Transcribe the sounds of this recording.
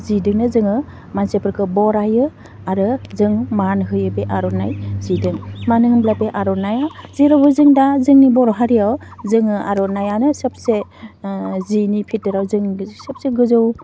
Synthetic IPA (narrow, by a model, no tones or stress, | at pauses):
zidɯŋnɯzɯŋɯ | mansepʰɯɾkʰɯbɔɾajɯ | aɾɯzɯŋmanɦɯjɯbeʔaɾɔnajzidɯŋmanɯɦɯmblapeʔaɾɔnajawziɾabɯzɯŋdazɯŋnibɔɾɔɦaɾijawzɯŋɯaɾɔnajanɯsɯp̚se | zinipʰitɯɾawzɯŋsɯp̚seɡɯzɯw